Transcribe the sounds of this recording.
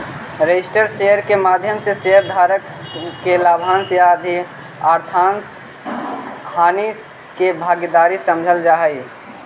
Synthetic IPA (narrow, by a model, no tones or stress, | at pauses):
ɾed͡ʒɪsʈəɾʃeəɾkemaːd̪ʱjəmseseəɾd̪ʱaɾəkkelaːbʱaːnsead̪ʱi | aːɾt̪ʰaːns | haːnis | kebʱaːɡd̪aːɾisəmd͡ʒʱəld͡ʒaɦəi